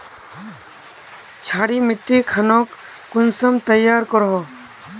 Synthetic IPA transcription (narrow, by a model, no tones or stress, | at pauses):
t͡ʃʰaːɽimɪʈːikʰanokː | ʊnsəmt̪əjaːɾkɔɾɦoː